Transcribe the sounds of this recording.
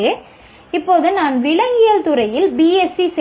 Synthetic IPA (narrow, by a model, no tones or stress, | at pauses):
ɯ | ɪpːoːðɯnaːnʋɪɭɐŋɡɪjɐlt̪ʊɾɐjɪlbiːɛsisɛ